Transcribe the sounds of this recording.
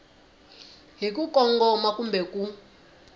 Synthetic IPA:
ɦik̬ukɔŋɡɔmakumbɛku

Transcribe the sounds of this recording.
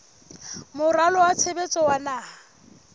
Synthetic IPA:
mʊralɔwat͡sʰebet͡sʼɔwanaːa

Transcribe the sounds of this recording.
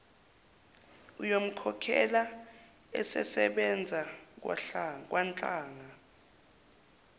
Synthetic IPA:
ujom̩kʰɔkʰɛ̰la | ɛ̰sɛ̰sɛɓɛnd͡zʱa | k̬ʼwant͡ɬʼaːŋa

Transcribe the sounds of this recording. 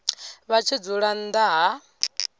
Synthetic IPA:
βat͡ʃʰid͡zuɺand̪aɦa

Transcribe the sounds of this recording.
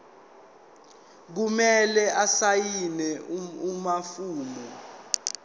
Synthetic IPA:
k̬umɛlɛʔasajinɛumafuːmɔ

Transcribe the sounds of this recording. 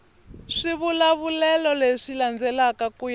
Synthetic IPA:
ʂiβulaβulɛlɔleʂiland͡zɛlakakuj

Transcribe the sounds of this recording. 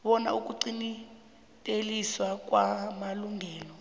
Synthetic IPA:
ɓɔna̰uk̬uǀini | tʼeliswak̬wamaluŋʱɛːlɔ

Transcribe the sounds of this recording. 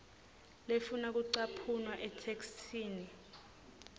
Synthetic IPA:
lefunak̬uǀapʰunwaʔɛtʰekstʰiːni

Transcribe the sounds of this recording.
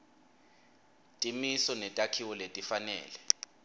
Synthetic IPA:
tʼimisɔnɛtʼakʰiwɔletʼifanɛ̰ːlɛ

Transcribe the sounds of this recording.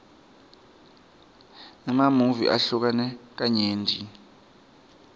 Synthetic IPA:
namamuvḭʔa̰ɬuk̬anɛk̬aɲeːndʱḭ

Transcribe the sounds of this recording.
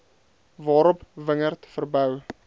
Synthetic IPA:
vɑːɾɔpvəŋərtfərbœw

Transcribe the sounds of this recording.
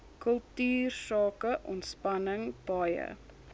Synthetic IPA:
kəlˠtyːrsɑːkəʔɔntspɐnəŋb̥ɐjə̰

